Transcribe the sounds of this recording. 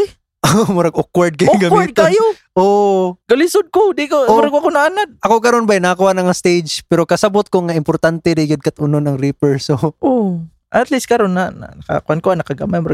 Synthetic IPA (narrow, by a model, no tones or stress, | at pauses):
ʔomʊɾɐɡʔokwaɹd̪̚kɐjɡɐmid̪̚tɪɐjoʔoɡɐlɪsʊd̪̚kod̪ɪkomʊɾaɡɐkonɐaʔanad̪̚ʔɐkokɐɾonbajnɐakʊanɐŋast̪ejd͡ʒpɛɾo̞kɐsɐbot̪̚koŋaʔɪmpoɾt̪ant̪ɛɾɪɡɪd̪̚kɐt̪ʔʊnonɐŋɾipɛɹsoʔo | ʔɐt̪list̪̚kɐɾonːɐna̰nɐka̰kʊʔankoanɐkɐɡɐ̰majmʊɾa